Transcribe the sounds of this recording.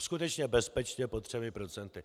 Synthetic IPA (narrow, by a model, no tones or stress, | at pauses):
skut̪ɛt͡ʃɲɛbɛspɛt͡ʃɲɛpot̪r̝̥ɛmɪpɾot͡sɛnt̪ɪ